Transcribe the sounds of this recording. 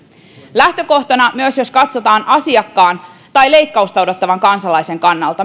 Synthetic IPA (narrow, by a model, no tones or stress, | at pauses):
læht̪ø̞ko̞ht̪onɑmyøsjo̞skɑt̪so̞t̪ɑːnʔɑsiɑkːɑːn | t̪ɑjle̞jkːɑust̪ɑodo̞t̪ːɑʋɑŋkɑnsɑlɑjse̞ŋkɑnːɑlt̪ɑ